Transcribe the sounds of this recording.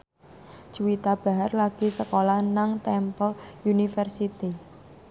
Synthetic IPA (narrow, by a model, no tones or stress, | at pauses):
d͡ʒ̥uwit̪ab̥a̤ɦarlaɡ̥isəkolanaŋt̪ɛmpəljunifərsit̪i